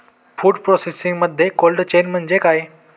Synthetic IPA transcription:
fuːɖpɾosesiŋɡməd̪ʱjekolɖt͡ɕenm̤əɳd͡zekaje

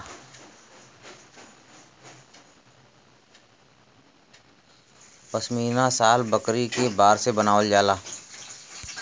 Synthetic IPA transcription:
pəsmiːnãsaːlbəkɾikebaːɾsebənaːʋld͡ʒaːlaː

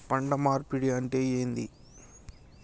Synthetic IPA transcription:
pɐɳɖɐmaːɾpiɽijanʈeːeːnd̪ḭ

